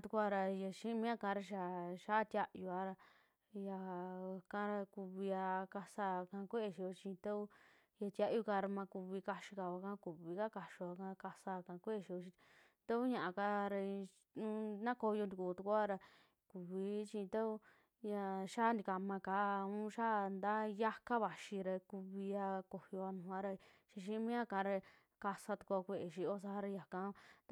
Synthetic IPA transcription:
t̪u˧kʷa˧ɾa˧ja˧ʃĩ˦mĩ˦a˦˧kã˧˦ɾa˧ʃ̬a˧ʃa˦˧t̪ʲja˧ʔju˧a˧ɾa˧ | ja˧˨kã˦ɾa˧ku˧βi˧a˧ka˧sa˧˨˧kã˧kʷe˦e˧˨ʃi˧o˧t͡ʃĩ˧t̪a˦u˦ | ja˧t̪ʲja˦ʔju˧ka˧ɾa˧mã˧ku˧βi˧ka˧ʃi˧ka˧a˧kã˦ku˨βi˧ka˦ka˧ʃo˧a˧kã˧ka˧sa˧˨kã˧kʷe˦e˧˨ʃi˧o˧t͡ʃi˧ | t̪a˦u˦ɲã˨ʔa˧ka˧ɾa˧ | ũ˦nã˦ko˧jo˧nd̪i˧ku˨˧t̪u˧ku˦a˦ɾa˧ | ku˨βi˧˦t͡ʃi˧t̪a˦u˦ | ja˧ʃa˦nd̪i˧ka˧mã˧ka˨˦˧ũ˦ʃa˦˧nd̪a˦ja˦ka˦βa˨ʃi˧ɾe˧ku˧βi˧a˧ko˨hjo˧a˧nũ˨˧a˦ɾa˧ | ʃi˧ʃ̬ĩ˦mĩ˦a˦kã˧˦˧ɾe˧ | ka˧sa˧t̪u̥˧kʷu˧a˧kʷe˧ʔe˨ʃi˧o˦s̬a˧a˦˧ɾa˧ja˨kã˧

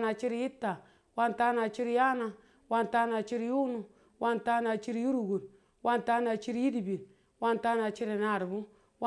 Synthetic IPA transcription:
na˨t͡ʃi˦ɾi˨˦ji˦tːa˨ | wa˦nta˦na˨t͡ʃi˦ɾi˨ja˦na˧ | wa˦nta˦na˨t͡ʃi˦ɾju˦nu˨ | wʔa˦nta˦na˨t͡ʃi˦ɾju˦ɾu˨ɡu˨ɾ | wʔa˦nta˦na˨t͡ʃi˦ɾji˦di˨bi˨n | wa˦nta˦na˨t͡ʃi˦ɾi˨na˨ɾbu˦ | w

